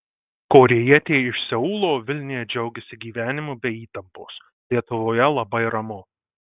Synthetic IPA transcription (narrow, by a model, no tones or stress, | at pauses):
koːɾʲɛjɛt̪ʲeːɪʃsʲɛuːlˠoːʋʲɪlʲnʲɪjɛd͡ʒʲɛʊɡʲɛsʲɪɡʲiːʋʲæːnʲɪmubʲɛiːt̪ɐmpoːs | lʲiɛt̪ʊʋoːjɛlˠɐbɐɪɾɐmʊ